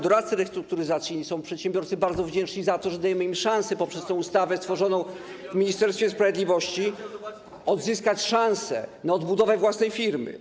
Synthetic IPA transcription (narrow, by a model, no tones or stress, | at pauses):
d̪ɔɾat̪sɘɾɛst̪ɾuk̚t̪uɾɘzat̪sjiɲisɔ̃w̃pʂɛt̪ɕɛ̃mbʲjɔɾt̪sɘbaɾd̪zɔvd͡ʑɛnt͡ʂɲizat̪ɔʐɛd̪ajɛmɘimʂãñsɛpɔpʂɛst̪ɛ̃w̃ust̪avɛst̪fɔʐɔnɔ̃w̃vmʲiɲist̪ɛɾst̪fʲjɛspɾavʲjed̪lʲivɔɕt͡ɕi | ɔd̪zɘskat͡ɕʂãñsɛnaɔd̪bud̪ɔvɛvwasnɛjfʲiɾmɘ̰